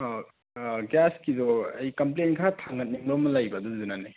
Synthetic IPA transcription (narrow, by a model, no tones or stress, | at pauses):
ɡaskidɔɐjkɐmplenkʰatʰaŋɐt̚niŋɾɔmɐlajbɐdɔzunanaj